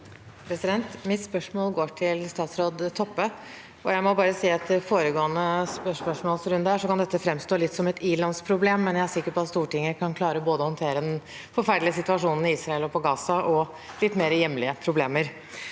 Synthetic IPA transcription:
pʰɾɛsɪd̪ɛnt̪mɪt̪spœʂmoːlɡoːʈʰɪlst̪ɑːt̪sɾoːd̪t̪ʰɔpːə | ɔjæɪmɔbɑːɾəsiːɑt̪ːəfoːɾəɡoːənəspœʂmœʂmoːlsɾʉnd̪əæʂɔkʰɑnd̪ɛt̪ːəfɾɛmst̪oːlɪt̪ːsɔmɛt̪iːɭɑnspʰɾʊbleːmːɛnjæɪæsɪkːəpɔɑt̪st̪uːʈɪŋːəkʰɑnkʰlɑːɾəboːd̪əɔhɔnt̪ʰeːɾəd̪ɛn | fɔɾfæɖlɪəsɪt̪ʉʋɑʂuːnn̩ɪiːsɾɑɛlɔpʰɔɡɑːsɑʔɔ | lɪt̪ːmeːɾəjɛmlɪəpʰɾʊbleːməɾ

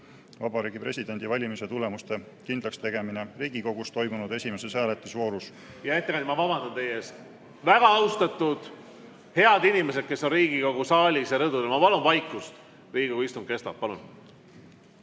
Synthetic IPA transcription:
vɑbɑɾiːɡ̥ipre̞sʲid̪̥e̞nʲd̪̥ivɑlʲimise̞t̪ule̞must̪e̞ | kind̪lɑkst̪e̞ɡe̞mineriːɡiko̞ɡ̥ust̪o̞jmunud̪̥e̞sʲime̞seshæːlet̪ːˑusvo̞ːɾus | jɑet̪ːeɑ̃nd̪mɑvɑbɑnd̪ɑnt̪e̞jeːs | væɡ̥ɑɑwst̪ɑt̪ːˑud̪̥ | he̞ɑd̪inʲime̞sed̪̥̚ke̞sːo̞nriːɡ̥iko̞ɡusɑːlʲisjɑɾɤd̪ud̪elmɑpɑlunvɑjkːˑust̪ | riːɡikouist̪um̥ke̞st̪ɑp̚pɑlun

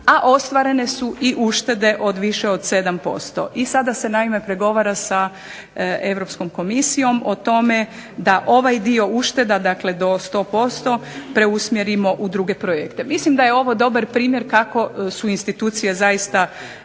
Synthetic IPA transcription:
aʔo̞st̪ʋaɾe̞ne̞suʔiʔuʃt̪e̞d̪e̞ʔo̞d̪ʋiʃeod̪se̞d̪ampo̞̰st̪o̰ʔisad̪ase̞naime̞pɾe̞ɡo̞ʋaɾasa | e̞ʋɾo̞psko̞mko̞misijo̞mot̪o̞me̞ | d̪aʔo̞ʋajd̪io̞uʃt̪e̞d̪ad̪akle̞d̪o̞st̪o̞ːpo̞st̪o̞pɾe̞usmjeɾimo̞ʔud̪ɾuɡe̞pɾojekt̪e̞mislimd̪aje̞o̞ʋo̞d̪o̞baɾpɾiːmje̞ɾkako̞suinst̪it̪uːt̪sije̞zajist̪a

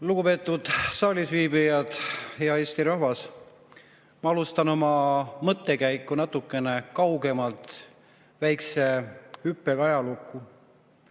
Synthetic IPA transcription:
luɡ̥upe̞ːt̪ːˑud̪̥sɑːlʲisviːbijɑd̪̥hejɑe̞ːsʲt̪iɾɑɦvɑs | mɑɑlust̪ɑno̞mɑmɤt̪ːe̞kæjkːˑunɑt̪ːˑukːˑe̞ne̞kɑwɡe̞mɑlt̪ | væjkse̞hypːekɑjɑlukˑːu

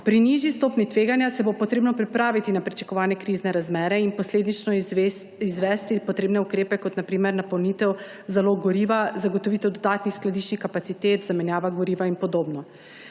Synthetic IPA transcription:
pɾiniʒist̪oːpnit̪ʋeːɡanjasɛbopɔt̪ɾeːbnɔpɾipɾaːʋit̪inapɾit͡ʃḁkɔʋaːnjɛkɾiznɛɾazmɛːɾɛinpɔsleːd̪nit͡ʃnɔ | izʋɛst̪ipɔt̪ɾeːbnɛukɾeːpɛkɔt̪napɾiːmɛɾnapɔwnit̪ɛw | zaloɡɡɔɾiːʋazaɡot̪ɔʋiːt̪ɛwd̪ɔd̪aːt̪nixsklad̪iʃt͡ʃnixkapat̪sit̪eːt̪zamɛnjaːʋaɡɔɾiːʋainpɔd̪oːbnɔ

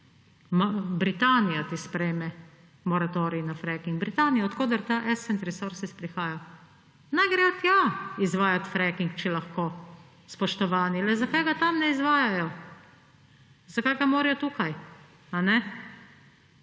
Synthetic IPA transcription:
mabɾit̪aːnijat̪ispɾɛjmɛ | mɔɾat̪oːɾiinafɾɛkiŋɡ̚bɾit̪aːnijaɔt̪koːd̪əɾt̪aʔɛsɛnt̪ɾɛsoɾsispɾixaːja | najɡɾɛɔt̪jaizʋaːjat̪fɾɛkiŋkt͡ʃɛlaxkoː | spɔʃt̪ɔʋaːnilɛzakajɡat̪amnɛizʋaːjajɔ | zakajɡamoːɾijɔt̪uːkaj | anɛ

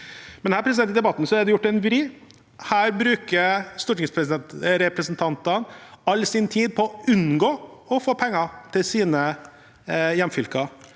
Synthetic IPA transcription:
mɛnhæːɾpʰɾɛsɪd̪ɛnt̪ɪd̪ɛbɑt̪ːn̩sɔæɖ̪ɛjʊʈːɛnʋɾiː | hæːɾbɾʉːkəɾst̪ʊʈnɪŋspʰɾɛɛɾɛpɾɛsnt̪ʰɑnt̪ɑnɑlːsɪnt̪ʰiːd̪̚pʰɔʉnɡoːɔfoːpʰɛŋːɑt̪ʰɪlsiːnə | jɛmfʏlkɑ

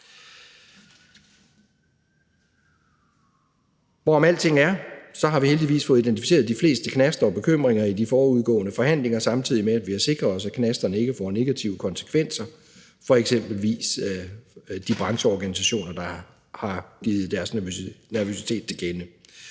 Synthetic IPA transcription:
ʋɒɒmæl̰t͡sʰe̝ŋ̰æɐsɒ̽ɦɑ̈ʋiheld̥iʋḭːsfɔ̽ːð̩ˠid̥ent͡sifi̥se̝ːɐðˠd̥ifle̝̰ːsd̥əkʰnæsd̥ɐɒ̽b̥e̝kʰøm̰ʁeŋɐid̥ifɒːuð̞ˠɡ̥ɔ̰̽ːnəfɒ̽hæn̰le̝ŋɐsɑ̈mt͡sʰið̰ˠimeæd̥ʋihɑse̝ɡ̥ʁɐɒ̽sækʰnæsd̥ɐnəe̝ɡ̥əfɒ̰ne̝ɡ̥æt͡sʰiʊəkʰɒ̽nsə̥kʰʋen̰sɐ | fɒ̽eɡ̥sem̰b̥l̩ʋḭːs | d̥ib̥ʁɑ̈ŋɕəɒɡ̥ænis̬æɕo̝̰ːnɐd̥ɑ̈ | hɑ̈ɡ̥iːð̞̩ˠd̥æɐsnæɐʋøsi̥t͡sʰe̝̰ːd̥̚t͡sʰe̝ɡ̥enə

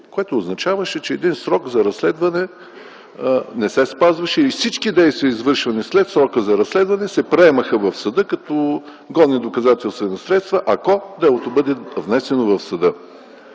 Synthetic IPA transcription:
koɛt̪oːznɐt͡ʃavəʃɛt͡ʃɛːd̪insɾɔkzɐɾɐslɛd̪vɐnɛ | nɛsɛspazvɐʃɛilifsit͡ʃkid̪ɛjst̪vijəizvɤɾʃvɐnislɛt̪sɾɔkəzɐɾɐslɛd̪vɐnɛsɛpɾɛɛməxəvɐfsɐd̪ɤkɐt̪ɔ | ɡɔd̪nid̪okɐzat̪ɛlˠst̪vɛnɐsɾɛt̪st̪vɐʔɐkɔd̪ɛlˠot̪obɤd̪ɛvnɛsɛnovɐfsɐd̪ɤ

